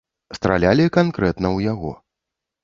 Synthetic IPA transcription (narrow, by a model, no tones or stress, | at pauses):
st̪ɾa̰lʲalʲikankɾɛt̪nɐwjaɣɔ̰